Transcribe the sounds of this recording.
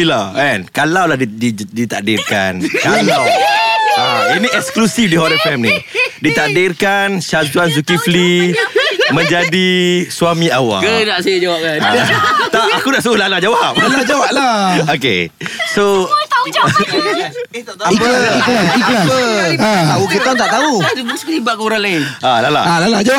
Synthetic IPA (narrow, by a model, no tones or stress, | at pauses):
ila̰ɛnkalawlahdidit̪aʔ̚dirka̰nkalaw | ainiʔɛksklusifdiɦɔdəfɛmnidit̪aʔ̚dɪrkanʃad͡ʒuans̬ukifli | mə̃ɲd͡ʒadisuamĩawa̰kənaʔsajəd͡ʒawap̚kant̪aʔakunaʔsuolalad͡ʒawap̚alad͡ʒawap̚laokḛso | apəkipət̪aukit̪ɔnt̪aʔt̪aubskibakuɾaŋlaɪnalala̰lalad͡ʒaw